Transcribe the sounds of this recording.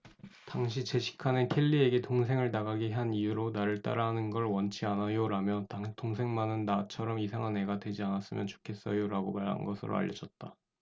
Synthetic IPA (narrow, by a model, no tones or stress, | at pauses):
taŋɕ̬ʰit͡ɕe̞ɕʰi̥kʰanɯnkʰe̞ʎːieɡe̞toŋs̬ʰe̞ŋɯɭnaɡaɡiɦanijuɾonaɾɯɭt͈a̰ɾaɦanɯnɡʌɭwʌnt͡ɕʰianajoɾamjʌttoŋsʰe̞ŋmanɯnːat͡ɕʰʌɾʌmisʰaŋɦane̞ɡadwe̞d͡ʑianas͈ɯmjʌnt͡ɕo̥kʰe̞s͈ʌjoɾaɡomaɾɦa̰nɡʌsʰɯɾo̰a̰ʎːʌd͡ʑʌt̚t͈a